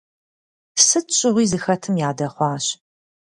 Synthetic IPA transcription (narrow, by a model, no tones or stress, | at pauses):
sɨt͡ʃʼɪʁʷiːzɨxɐtʰɨmjaːdɐχʷɑːɕ